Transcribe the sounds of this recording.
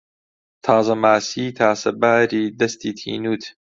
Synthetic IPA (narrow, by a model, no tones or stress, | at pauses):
t̪ʰaːzɐmaːsiːt̪ʰaːsɐbaːɾiːd̪ɐst̪iːt̪ʰḭːnuːt̪ʰ